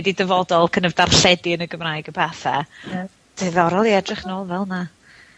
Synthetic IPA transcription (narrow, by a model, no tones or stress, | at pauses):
didəvɔdɔlˠkʰənəvdarɬɛdiənəɡəmrajɡəbaθɛ | d̥ɨðɔɾɔlˠiɛdrɪχnoːlˠvɛlˠna